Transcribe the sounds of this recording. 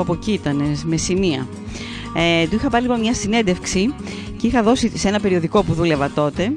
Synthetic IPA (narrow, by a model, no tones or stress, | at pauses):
ɐpo̞cit̪ɐne̞sme̞siniɐ | et̪uixɐpɐɾilipomɲɐsine̞nd̪e̞fksi | ceixɐðo̞sisee̞nɐpe̞ɾio̞ðiko̞puðule̞vɐt̪o̞t̪e̞